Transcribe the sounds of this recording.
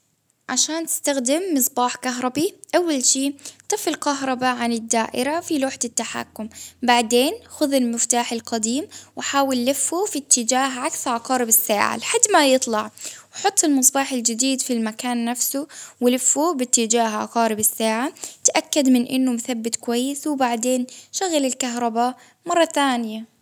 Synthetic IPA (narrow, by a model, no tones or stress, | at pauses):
ʕaʃaːnt̪ɪ̥st̪axd̪ɪmːɨsˤbɑːħkaɦɾˤɑbiʔawːalʃiːt̪ˤɨfɪlkaɦɾˤɑbaʕanɪd̪ːaːʔɪɾafiluːħt̪ɪt̪ːaħa̰ːkːʊmbaʕd̪eːnxʊðɪlmɪft̪aːħɪlqɑd̪iːmwɪħaːwɪlːɪfːufit̪ːɪd͡ʒaːɦʕaksʕɑqɑːɾɪbɪsːa̰ːʕa̰lɪħad̪ːmajɨt̪ˤlɑʕwħʊt̪ˤːɪlmɨsˤbɑːħɪld͡ʒɪd̪iːd̪filmakaːnːafsʊwɪlɪfːubɪt̪ːɪd͡ʒaːɦʕɑ̰qɑːɾɪbɪsːaːʕat̪ʔakːad̪mɪnʔɪ̰nːʊmʊθabːɪt̪kʊwajːɪswɪbaʕd̪eːnʃaɣalɪlkaɦɾˤɑba | mɑrˤːɑθaːnɪja